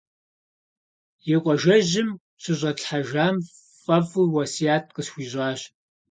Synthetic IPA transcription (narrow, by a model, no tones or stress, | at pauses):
jɛqʷʼɔʒɐʑɪm | ɕɨʑʷʼɐɬħaʒaːm | fʼɐfuwɐsijaːt̚ʰʼqʼəsxʷiːʑʷʼɑːɕ